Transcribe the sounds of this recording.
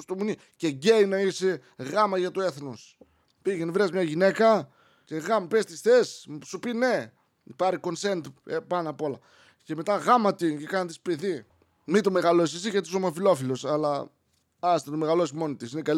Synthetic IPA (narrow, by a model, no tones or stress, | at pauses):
st̪omuni | ce̞ɟejnɐise | ɣɐmɐʝɐt̪oe̞θnos | piʝenevɾezmɲɐʝine̞kɐ | ce̞ɣɐmɐpest̪isθe̞ssupine̞ | pɐɾiko̞nse̞nt̪epɐnɐpo̞lɐ | ce̞me̞t̪ɐɣɐmɐt̪icekɐnɐt̪ispeði | mit̪ome̞ɣɐlo̞sisiʝɐt̪isomɐfilo̞filo̞sɐlɐ | ɐsnɐt̪ome̞ɣɐlo̞simo̞nit̪isinekɐl